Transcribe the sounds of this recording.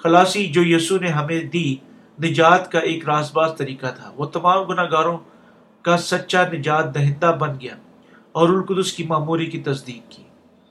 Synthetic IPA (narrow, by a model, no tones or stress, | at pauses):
xɐlaːsid͡ʒoːjiːsuneɦɐmẽd̪iː | nɪd͡ʒaːt̪kaʔeːkɾaːsbaːzt̪ɐɾiːkat̪ʰaːʋoːt̪ɐmaːmɡʊnaːɡaːɾõ | kasɐtːʃanɪd͡ʒaːt̪̚d̪ɐɦɪ̃nd̪abɐnɡɐja̰ː | ɔːɾʊlkʊd̪ʊskimaːmuːɾikit̪ɐsd̪iːd̪̚kiː